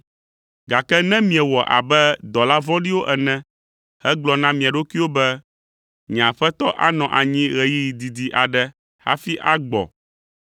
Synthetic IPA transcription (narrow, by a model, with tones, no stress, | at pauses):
ɡa˨kɛ˦nɛ̃˦mĩ˨ɛ˨wɔ˨ʔa̰˨bɛ˦d̪ɔ˨la˦vɔ̃˦ɖi˦wo˦ʔɛ˨nɛ̃˦ | hɛ˦ɡ͡blɔ˨nã˦mĩ˨a˨ɖo˦kʷi˦wo˦bɛ˦ | ɲɛ̃˨a˨ɸɛ˦t̪ɔ˦ʔa̰˦nɔ̃˨ʔa˨ɲĩ˦ɣɛ˨ji˦ji˨d̪i˨d̪i˨ʔa˨ɖɛ˦ | ha̰˦fi˦ʔa˦ɡ͡bɔ̰˨